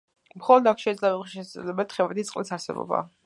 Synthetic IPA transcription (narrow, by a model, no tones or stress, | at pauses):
mχɔlˠɔd̪akʰʃɛid̪zlɛbɛʃɛsad̪zɛ̰lɛbɛt̪ʰχɛvɛt̪it̪sʼqʼlitsaɾsɛ̰bɔ̰ba̰